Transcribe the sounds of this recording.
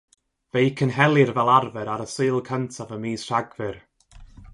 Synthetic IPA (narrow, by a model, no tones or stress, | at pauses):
vejkʰənɦɛlˠɨrvɛlˠarvɛɾaɾəsɨːlˠkʰəntʰavəmiːsr̥aɡvɨr